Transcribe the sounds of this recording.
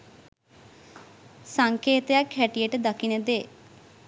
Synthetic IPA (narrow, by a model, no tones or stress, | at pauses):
saŋkeːt̪əjakhæʈijəʈəd̪akinəd̪eː